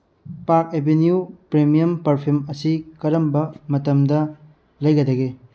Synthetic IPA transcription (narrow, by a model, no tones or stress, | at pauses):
paɾk̚ebʱenjupɾemijɐmpɐɾpʰumɐsikɐɾɐmbɐmɐtɐmdɐ | lɐjɡɐdɐɡe